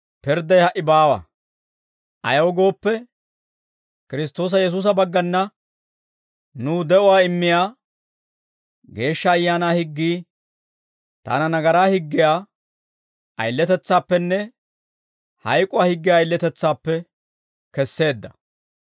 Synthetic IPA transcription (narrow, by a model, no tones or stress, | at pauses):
pɪɾd̪ɐjhɐʔːɪbaːwɐ̰ | ʔɐ̰jɐwɔɡo̞ːpːɛ | kɪɾɪs̬t̪o̞ːs̬ɐjɛs̬uːs̬ɐbɐɡːɐnːɐ | nuːd̪ɛʔʊwaːɪmːɪjaː | ɡe̞ːʃːɐːjːaːnaːhɪɡːiː | t̪a̰ːnɐnɐɡɐɾaːhɪɡːɪjaː | ʔɐ̰jlːɛt̪ɛt͡sːaːpːɛnːɛ | hɐjkʼʊwaːhɪɡːɪjaːjlːɛt̪ɛt͡sːaːpːɛ | kɛsːe̞ːd̪ːɐ̥